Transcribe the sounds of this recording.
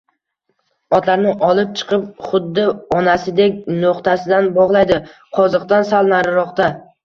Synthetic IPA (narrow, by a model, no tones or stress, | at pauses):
ɒt̪laɾnɪʔɒlˠɪp̚t͡ʃʰɨ̥qʰɨp̚χʊd̪ːɪɒnasɪd̪ekʲnoqt̪ʰasɪd̪anbɒʁlˠajd̪ɪqʰɒzɨqt̪ansalˠnaɾɪɾɒqt̪a